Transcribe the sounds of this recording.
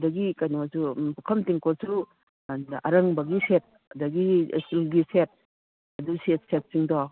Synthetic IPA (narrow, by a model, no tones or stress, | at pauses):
dɐɡikajnɔasupukʰɐmtiŋkɔsɾu | nɐɾɐŋbɐɡiset̚ | ɐdɐɡḭsulɡiset̚ | ɐduset̚set̚siŋdɔ